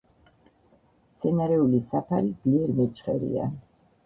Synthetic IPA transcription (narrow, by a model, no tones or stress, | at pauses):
t̪sʰɛnaɾɛulisapʰaɾid̪zliɛɾmɛt͡ʃʼχɛɾḭa̰